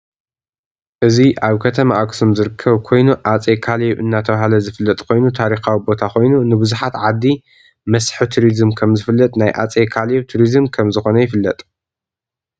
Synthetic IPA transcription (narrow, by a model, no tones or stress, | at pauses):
ʔɨziʔaβkʰɐt̪ʰɐmaʔaksumzɨɾɨkʰːɐβkʰo̞jnuʕat͡sʼekʰaleʔɨnːat̪ʰɐβahalɐzɨfɨlːɐt̪ʼkʰo̞jnut̪ʰaɾixawibo̞t̪ʰakʰo̞jnunɨbɨzuħat̪ʕad̪ːi | mɐsħɨt̪ʰuɾizɨmkʰɐmzɨfɨlːɐt̪ʼnajʔa̰t͡sʼekʰaleβt̪ʰuɾizmkʰɐmzɨxo̞nɐjɪfɨlːɐt̪ʼ